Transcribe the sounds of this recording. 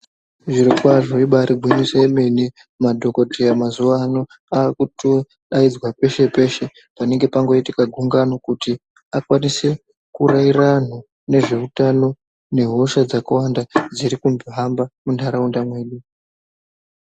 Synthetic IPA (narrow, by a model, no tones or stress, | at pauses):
ʐiɾikwaʐoiɓaɾibʱwiɲisaeme̞ni | madʱo̞ko̞tʰejamazuʋaːno | aːkuto | ɗaid͡zwape̞ʃe̞pe̞ʃe̞ | pane̞ŋɡe̞paŋɡo̞itikaɡʱuŋɡanokuti | akwanise̞ | kurairan̤o | ne̞ʐe̞utano̞ | ne̞ɦo̞ʃad͡zakawandad͡ziɾikumboɦambamuntʰaɾaundamweːɗu